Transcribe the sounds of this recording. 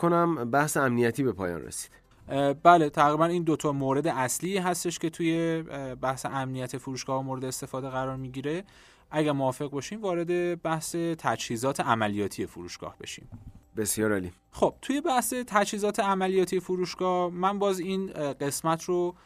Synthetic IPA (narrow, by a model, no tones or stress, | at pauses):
kʰonæmbæhseæmnijæt̪ʰiːbe̞pʰɒːjɒ̰ːnrḛsi̥d̪̥ | bæle̞t̪ʰæɣɾibæniːnd̪ot̪ʰɒːmoːɾe̞d̪eʔæsliːɦæst̪e̞ʃcʰe̞t̪ʰuje̞bæhsḛʔæmnijæt̪ʰefuɾuːʃɡ̥ɒːhmoːɾe̞d̪eːst̪e̞fɒːd̪eɣæɾɒːɾmiɟiːɾe̞ | ʔæɟæɾmoɒːfe̞ɣbɒʃiːmvɒːɾe̞d̪e̞bæhse̞t̪ʰæd͡ʒhiːzɒːt̪ʰe̞æmælijɒːt̪ʰije̞fuɾṵːʃɡ̥ɒ̰ːhbe̞̰ʃḭːmbesjɒːɾɒli | χo̞b̥̚t̪ʰuje̞bæhse̞t̪ʰæd͡ʒhiːzɒːt̪ʰe̞æmælijɒːt̪ʰije̞fuɾuːʃɡ̥ɒːhmænbɒːziːnɢe̞smæt̪ʰɾo